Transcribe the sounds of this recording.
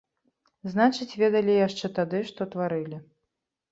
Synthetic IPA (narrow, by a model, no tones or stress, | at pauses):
znat͡ʂɨt͡sʲvʲɛd̪ɐlʲijaʂt͡ʂɛt̪ad̪ɨʂt̪ɔt̪vaɾɨlʲi